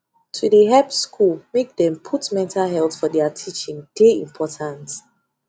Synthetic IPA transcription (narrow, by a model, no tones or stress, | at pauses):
tʰudəɦɛpskʰulmek̚dɛ̃mpʰutmɛ̃ntʰalɦɛltfɔdɛatʰit͡ʃĩŋd̥eḭ̃mpʰɔtʰãnt